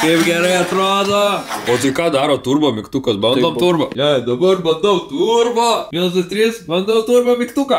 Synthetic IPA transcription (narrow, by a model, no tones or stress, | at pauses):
kɐɪpɡʲɛɾɐɪɐt̪ɾoːd̪oːoːt̪ɐɪkɑːd̪ɑːɾoːt̪uːrboːmʲɪkt̪uːkɐsbɐnd̪oːmt̪urbɐjɛd̪ɐbɐrbɐnd̪omt̪uːrboːʋʲiɛnɐst̪ɐsʲt̪ʲɾʲiːsbɐnd̪owt̪uːrboːmʲɪkt̪uːkɐ